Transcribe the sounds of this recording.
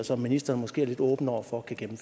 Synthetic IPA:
ɒsɒ̽mːinisd̥ɐːn̩mɒ̽sɡ̥e̝̰ːɐle̝d̥ɔ̽ːb̥n̩ɒʊ̰ɐfɒkʰæɡ̥emm̩fø

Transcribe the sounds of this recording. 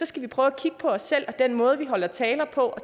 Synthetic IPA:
sɒ̽sɡ̥æʋipʰʁœːʊækʰiɡ̥əpʰɒ̽ɒ̽sːel̰ɒd̥en̰mɔ̽ːð̞̩ˠʋiɦɒ̽lɐt͡sʰɛːlɐpʰɒ̽ʔɒ̽

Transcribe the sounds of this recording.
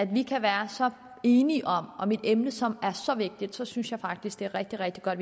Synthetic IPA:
æd̥ʋikʰæʋæːɐsɒ̽ | e̝ːniʔɒ̽mɒ̽mid̥emnəsɒ̽mæɐsɒ̽ʋe̝ɡ̥̚d̥id̥sɒ̽synsjɑ̈ɪfɑ̈ɡ̥̚d̥isɡ̥̚d̥e̝æɐʁɛɡ̥̚d̥iʁɛɡ̥d̥iɡ̥ɒ̽d̥

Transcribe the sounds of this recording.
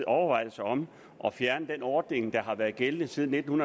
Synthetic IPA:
ɒʊɐʋɑ̈ɪ̰d̥əsɑ̈ɒ̽m | ʔɒ̽fjæɐnəd̥enɒːd̥ne̝ŋd̥ɑ̈ɦɑ̈ʋæːɐð̩ˠɡ̥elnð̩ˠsiːð̞ˠn̩ːe̝d̥n̩hunɐ

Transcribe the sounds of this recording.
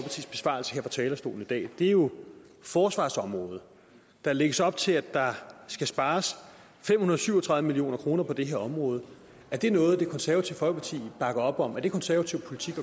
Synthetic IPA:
pʰɑ̈t͡sʰḭːsb̥e̝sʋ̥ɑ̰̈l̩sə̥heɐ̰fʁɑt͡sʰɛːlɐsd̥o̝̰ːln̩id̥ɛ̰ːd̥e̝æɐjo̝ | fɒːsʋɑ̰̈ːsɒ̽mʁɔ̽ːð̞̩ˠ | d̥ɑ̈leɡ̥əsɒ̽b̥̚t͡sʰe̝læd̥ɑ̈sɡ̥æsb̥ɑ̈ːs | fem̰hunɐðˠsyʊ̰ɒt͡sʰʁɑ̈ðˠəmilio̝̰ːnɐkʰʁo̝ːnɐpʰɒ̽d̥e̝ɦeɐɒ̽mʁɔ̽ːð̞̩ˠ | æɐd̥e̝nɔ̽ːð̞̩ˠd̥e̝kʰɒ̽nsæɐæt͡sʰiʊ̰fɒ̽lɡ̥əpʰɑ̈t͡sʰḭːb̥ɑ̈ɡ̥ɐɒ̽b̥ɒ̽mæɐd̥e̝kʰɒ̽nsæɐæt͡sʰiʊ̰pʰo̝lit͡sʰiɡ̥ɒ

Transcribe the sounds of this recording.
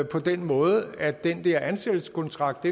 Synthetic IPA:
pʰɒ̽d̥enmɔ̽ːð̞ˠæd̥end̥ɛɐænsel̥skʰɒ̽nt͡sʰʁɑ̈ɡ̥̚d̥e

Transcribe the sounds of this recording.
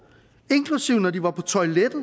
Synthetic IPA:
e̝ŋkʰlusiʊ̰nɒdiʋɑ̈pʰɒ̽t͡sʰɒ̽ɪled̥ð̩ˠ

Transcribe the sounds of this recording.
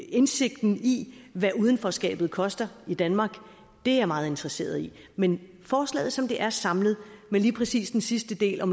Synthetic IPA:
e̝nse̝ɡ̥̚d̥n̩iʋæuːð̞ˠən̩fɒsɡ̥ɛ̰ːb̥ð̩ˠkʰɒ̽sd̥ɐid̥ænmɑ̈ːɡ̥ | d̥e̝æɐmɑ̈ːð̞̩ˠe̝nd̥ʁɐse̝̰ːɐð̞ˠi | men | fɒːslɛ̰ːð̩ˠsɒ̽md̥e̝ʔæɐsɑ̈mlð̞̩ˠmeliːpʰʁɛsḭːsd̥ensisd̥əd̥e̝̰ːlɒ̽m

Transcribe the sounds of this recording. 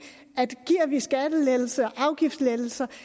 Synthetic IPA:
æd̥ɡ̥iːɐ̰ʋisɡ̥æd̥əleðl̩səɒʔɑ̈ʊɡ̥ifd̥sleðl̩sɐ

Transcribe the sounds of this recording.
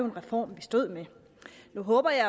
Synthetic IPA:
ʊnʁɛfɒ̰ːmʋisd̥o̝ð̰ˠme | nuɦɔ̽ːb̥ɐjɑ̈ɪ

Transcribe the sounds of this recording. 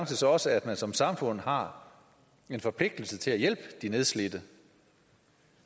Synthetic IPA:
ŋsəsɒ̽ɒ̽səæd̥mænsɒ̽msɑ̈mfɔ̽n̰hɑ̈ | e̝nfɒ̽pʰle̝ɡ̥̚d̥l̩sət͡sʰe̝læjel̰b̥əd̥ine̝ð̞ˠsle̝d̥ə

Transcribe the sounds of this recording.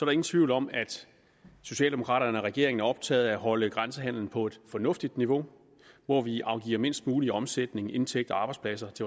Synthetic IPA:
sɒɾe̝ŋn̩t͡sʰʋiʊlɒ̽mæd̥ | so̝ɕɛ̰ːld̥emo̝kʰʁɑ̰̈ːɾɐnəɒʁɛɡ̥e̝̰ɐe̝ŋn̩æɒ̽b̥̚t͡sʰɛ̰ːð̩ˠæɦɒ̽ləɡ̥ʁansəɦæn̰ln̩pʰɒ̽e̝d̥fɒ̽nɔ̽fd̥id̥niʋo̝ | ʋɒʋiʔɑ̈ʊɡ̥ḭːɐme̝n̰sd̥muːliɒ̽msed̥ne̝ŋe̝nt͡sʰeɡ̥̚d̥ɒɑ̈ːb̥ɑ̈ɪspʰlæs̬ɐt͡sʰe̝

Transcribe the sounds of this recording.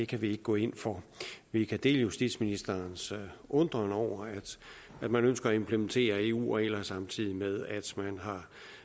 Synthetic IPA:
d̥e̝kʰæʋie̝ɡ̥əɡ̥ɔ̰̽ːe̝n̰fɒʋikʰæd̥e̝̰ːləjusd̥id̥sminisd̥ɐnsʔɔ̽nd̥ʁɐnɒʊ̰ɐæd̥ | æd̥mænønsɡ̥ɐɒe̝mpʰləment͡sʰe̝̰ːɐe̝ːṵːɒelɐsɑ̈mt͡sʰið̰ˠimeð̞ˠæd̥mænɦɑ̈

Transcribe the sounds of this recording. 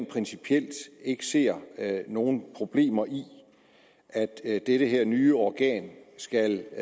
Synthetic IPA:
npʰʁɛnsipʰiel̰d̥e̝ɡ̥ə̥se̝̰ɐ̰no̝ːn̩pʰʁo̝b̥le̝̰ːmɐʔi | ʔæd̥d̥eɾ̥əɦeɐ̰nyːəɒɡ̥ɛ̰ːnsɡ̥æl

